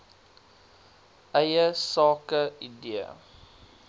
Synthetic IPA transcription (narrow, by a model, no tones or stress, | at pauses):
ʔɛjəsɑːkəidiə̰